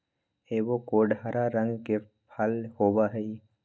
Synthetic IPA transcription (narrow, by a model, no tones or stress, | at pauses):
eːʋokoːɖʱaɾaɾə̃ŋɡke | pʰalhoːbaɦɛi